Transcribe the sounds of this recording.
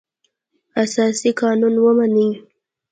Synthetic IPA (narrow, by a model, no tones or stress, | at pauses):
asaːsikaːnunwomani